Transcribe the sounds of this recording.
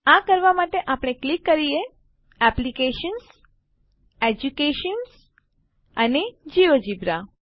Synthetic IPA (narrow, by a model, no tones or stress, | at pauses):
ãkəɾʋamaʈeʔapɽ̃eklikːəɾije | ɛplikeʃəns | ed͡ʒukeʃəns | əned͡ʒiʋod͡ʒibɾa